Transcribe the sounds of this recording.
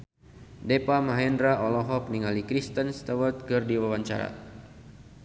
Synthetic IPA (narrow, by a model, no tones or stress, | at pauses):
depamaɦɛndɾaʔɔlɔɦɔp̚niŋalikɾist̪ənst̪awət̪̚kɨrdiwawaɲt͡ʃa̰ɾa̰